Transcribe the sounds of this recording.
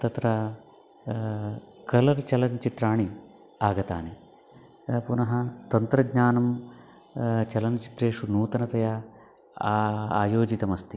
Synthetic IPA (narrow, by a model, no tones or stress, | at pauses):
t̪ɐt̪ɾɐ | kɐlɐɾt͡ʃɐlɐnt͡ʃit̪ɾaːɳi | aːɡɐt̪a̰ːne | punɐɦɐt̪ɐnt̪ɾɐɡɲaːnɐm | t͡ʃɐlɐnt͡ʃi̥t̪ɾeːʂunuːt̪ɐnɐt̪ɐjɐ | aːjoːd͡ʒit̪ɐmɐst̪i